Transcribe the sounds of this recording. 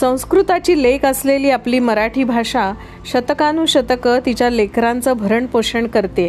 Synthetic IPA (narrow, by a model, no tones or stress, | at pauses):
sə̃w̃skɾut̪at͡ɕiːlekəsleliːapliːməɾaʈʰiːbʱaʂã | ɕət̪əkanuːɕət̪əkət̪it͡ɕjalekɾant͡səbʱəɾəɳpoɕəɳkəɾt̪e